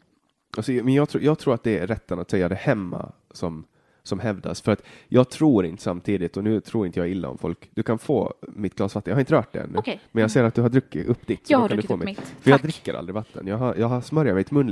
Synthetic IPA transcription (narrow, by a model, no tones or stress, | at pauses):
ʔalsɔmɛnjɑːt̪ʰɾuːjɑːɡ̚t̪ʰɾuːɾat̪d̪ɛɾɛt̪ːənat̪sɛjːad̪ɛhɛmːa̰ | sɔm | sɔmɦɛvd̪a̰sfœɾat̪jɑːɡ̚t̪ʰɾuːɾɪnt̪ə̥samt̪ʰiːd̪ɪt̪ɔnʉ̟ːt̪ʰɾuːɾɪnəjɑːɪlːa̰ɔ̰mfɔ̰lkd̪ɵkʰanfo̰ːmɪt̪̚ɡlɑːsvat̪ːənjɑːhaɾɪnt̪ɾœːʈ̚d̪ɛ̰ɛ̰nːʉmɛnjɑːɡseːɾat̪̚d̪ɵɦaɖɾɵkːɪ̰ʔɵpːd̪ɪt̪ːkand̪ɵfoːmɛɪfœɾjɑːd̪ɾɪkːəɾa̰ld̪ɾɪvat̪ʰːə̰njɑːɡɦajɑːɡhasmœɾjaɾmɛɪt̪mɵnː